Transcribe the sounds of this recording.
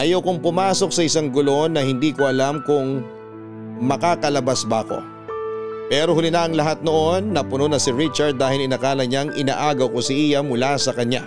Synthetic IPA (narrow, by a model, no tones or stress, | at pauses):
ʔɐjowkʊŋpʊmaːso̞k̚sɐʔɪsaŋɡʊlo̞nɐhɪnd̪iːkoʔɐlamkʊŋ | mɐkaːkɐlɐbasbɐko̞̰ | pɛːɾo̞hʊlɪnɐʔɐŋlɐɦat̪̚no̞ʔo̞nːɐpʊnonɐsɪɹit͡ʃɐɹd̪̚ːaːhɪlɪnɐkaːlɐɲaŋʔɪna̰ːʔaːɡɐwko̞sɪʔiːjɐmʊlasɐkɐɲa̰